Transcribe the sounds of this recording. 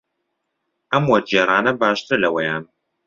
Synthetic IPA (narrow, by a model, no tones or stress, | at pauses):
ɐmwɐd͡ʒeːɾaːnɐbaːʃt̪ʰɨɾlɐwɐjaːn